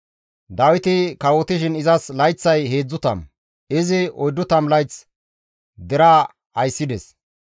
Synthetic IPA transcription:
d̪ɐwɪt̪ɪkɐwɔt̪ɪʃɪnɪzɐslɐjt͡sːɐjhe̞ːd͡zːʊt̪ɐ̰m | ɪzɪɔjd̪ːʊt̪ɐmlɐjt͡s | d̪ɛɾaː | ɐjsːɪd̪ɛs

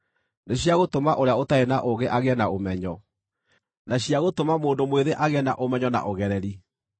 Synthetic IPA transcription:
neɕjaɣotomaʔoɾeaotaenaʔoɣeʔaɣeɛnaomɛɲɔ | naɕiaɣotomamoːndomweðeʔaɣɛna̰ʔomɛɲɔna̰ʔoɣɛɾɛɾi

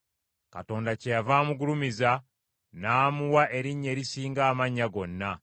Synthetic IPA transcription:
kato̞ːndacejavaːmuɡulumiza | naːmuwaʔe̞ɾiɲːe̞ːɾisiːŋɡaːmaɲːaɡo̞nːa

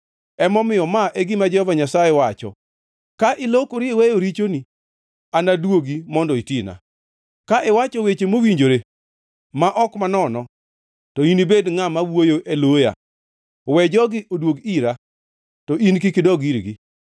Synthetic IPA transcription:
ɛmɔmɪjɔmaʔeɡɪmad͡ʒɛhɔvaɲasajewat͡ʃɔ̰ | kaʔɪlokoɾɪwejoɾit͡ʃoni | anadwoɡimɔndɔitina̰ | kaʔɪwat͡ʃɔwet͡ʃemowiɲd͡ʒoɾe | maʔɔkmanɔnɔ | tɔinibedŋamawojoʔeloja̰ | wɛd͡ʒɔɡɪʔodwoɡiɾa | tɔʔinkikɪdɔɡiɾɡi

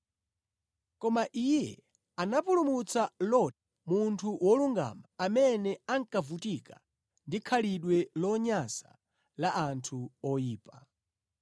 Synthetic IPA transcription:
kɔmaʔijɛ̰ | anapulumut͡salɔta | muntʰuwɔluŋɡa̰maːmɛnɛaŋkavutika | ndikʰaliɗwɛlɔɲasa̰ | laʔantʰuɔjiːpa

